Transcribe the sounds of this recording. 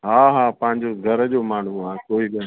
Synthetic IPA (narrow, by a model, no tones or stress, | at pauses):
ɦaːɦaːpɐ̃ɦɪ̃ɲd͡ʑoɡʱɐɾəd͡ʑoːmaːɳ̤uaːkoːiɗən